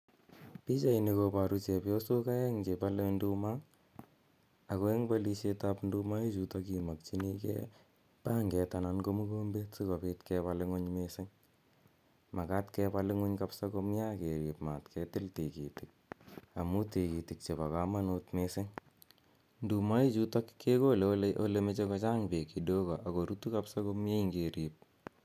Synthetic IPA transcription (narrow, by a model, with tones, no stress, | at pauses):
pi˦t͡ʃa˦i˨ni˧ko˧pa˨ɾu˦t͡ʃɛ˨pjo˦so˦ka˦ɛ˦ŋt͡ʃe˨pa˦le˦ndu˦ma˦ | a˨ko˦e˦ŋba˦li˧ʃe˦tapndu˦ma˦i˦t͡ʃu˨ta˦ki˨ma˨k̚t͡ʃi˦ni˦kɛ̰ | pa˦ŋɡɛ˨ta˨na˧nko˦mu˦ko˦mbe˦tsi˦ko˨pitkɛpa˨lɪ˦ŋʊ˦ɲmesɪ˦ŋ | ma˨ka˦tkɛpa˧lɪ˦ŋʊ˦ɲka˦psa˦ko˦mja˦ke˨ɾi˨pma˨tkʰɛ˦tɪ˦lte˨ki˨ti˨k̚a˨mu˦te˨ki˨ti˨k̚t͡ʃe˨pa˨ka˦ma˦notmese˦ŋ | ndu˨ma˦ji˦t͡ʃu˦ta˦kkːe˦ko˦lʔo̰˦le˦me˦t͡ʃe˦kɔ˧t͡ʃa˦ŋpe˨ki˨do˦kɔ˨ʔa˨ko˨ɾu˦tu˦ka˦psa˦ko˦mje˦i˦ŋɡe˨ɾi˨p̚